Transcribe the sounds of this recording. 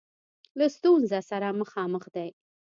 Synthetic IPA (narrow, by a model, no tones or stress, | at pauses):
last̪unzasaɾaməxɑməxd̪aj